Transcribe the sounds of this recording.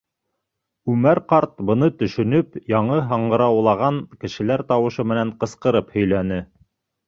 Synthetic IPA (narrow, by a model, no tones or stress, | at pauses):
ʉmæɾqɑɾt̪̚bɤ̆nɤt̪ɵ̆ʃɵ̆nɵpjɑɴɤɦɑɴɢɤ̆ɾɑwlˠɑʁɑŋkɘ̆ʃɘ̆læɾt̪ɑwɤ̆ʃɤmɘ̆næɴqɤ̆sqɤ̆ɾɤphɵ̆jlænɘ